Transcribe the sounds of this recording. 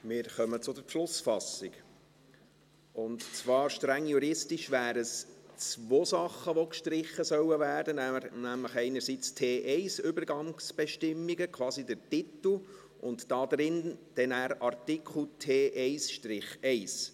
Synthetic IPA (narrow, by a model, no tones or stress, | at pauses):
mɪːɾχœmət͡sʊdəɾʃlʊsfɑsiɡ | ʊntt͡sʋɑːɾʃtɾæŋːjuɾɪstiʃʋæːɾəst͡sʋoːsɑχːəʋokʃtɾɪχːəsœwəvæːd̥ənnæmləχɛɪnəɾsit͡stʰeːʔɛɪsʏbəɾɡɑŋsb̥ɛʃtɪmːiɡəkʰwɑːsidəɾtɪt̪l̩ | ʔʊntd̥ɑːd̪ɾɪnd̥ɛnæːɾɑrt̪ikʰl̩tʰeːʔɛɪsʃtɾɪχɛɪs